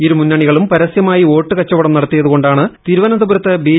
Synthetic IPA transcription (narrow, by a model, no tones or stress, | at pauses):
iɾumunːɐɳiɣɐɭumpɐɾɐsjɐmaːjio̞ːʈːɨkɐt͡ɕːɐʋɐɽɐmnɐɽɐt̪ːijɐðuɣo̞ɳɖaːɳɨt̪iɾuʋɐnɐd̪ɐbuɾɐt̪ːɨbiː